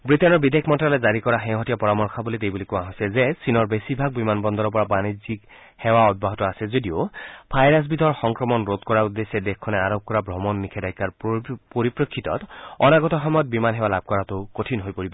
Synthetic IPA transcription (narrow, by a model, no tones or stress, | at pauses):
bɹitɛnɔɹbidekʰmɔntɹalɛzaɹikɔɹaxɛ̃ɦɔtijapɔɹamɔɹkʰabulitejbulikũãɦojsɛzɛsinɔɹbesibʱaɡ̚bimanbɔnd̪ɔɹɔpɔɹabanizik | hɛwaɔd̚baɦɔtɔasɛzodiopʰajɹas̬bidʱɔɹxɔŋkɹɔmɔnɹot̪̚kɔɹaud̪ːesɛdɛkkʰːɔnɛaɹɔp̚kɔɹabʱɹɔmɔnːikʰɛdajkːaɹpoɹipɹokʰːitɔ̰tɔnaɡɔtɔxɔmɔjɔt̚bimanɦɛwalab̚kɔɹatʊkotʰinɦojpoɹibɔ